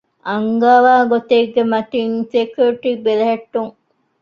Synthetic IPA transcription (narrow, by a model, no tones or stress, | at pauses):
ʔɐŋɡaːʋaːɡot̪eɡːemɐt̪iŋsekjuɾiʈibeleɦɐʈːuŋ